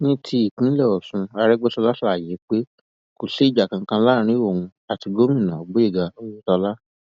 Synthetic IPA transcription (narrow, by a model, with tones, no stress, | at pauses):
nĩ˦tʰi˧i˨kĩ˨˦lɛ˦˨ɔ˨sũ˧a˧ɾɛ˦ɡ͡be˦tɔ˧la˦sje˨˦k͡pe˦ | ko˨se˦i˦˨d͡ʒa˨kã˨˧˦kã˧la˦ɾ̃ĩ˦o˦˨ũ˧ | a˨ti˧ɡo˦mĩ˦˨nã˨ɔ˨ɡ͡bo˨˦i˦˨ɡa˨o˦wo˦tɔ˧la˦